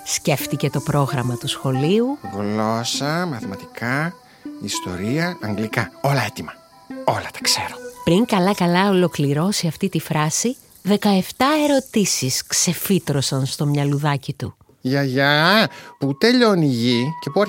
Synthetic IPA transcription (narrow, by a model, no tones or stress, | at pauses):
sce̞ft̪ice̞t̪o̞pɾo̞ɣɾɐmɐt̪usxo̞liuɣlo̞sɐmɐθimɐt̪i̥kɐ | ist̪o̞̰ɾiɐɐŋɡlikɐo̞lɐet̪imɐ | o̞lɐt̪ɐ̥kse̞̰ɾopɾiŋkɐlɐkɐlɐo̞lo̞kliɾo̞siɐft̪it̪ifɾɐsi | ðe̞kɐe̞ft̪ɐe̞ɾo̞t̪isiskse̞fit̪ɾo̞sɐnst̪o̞mɲɐluðɐcit̪u | ʝɐʝɐput̪e̞ʎoniʝice̞puɐ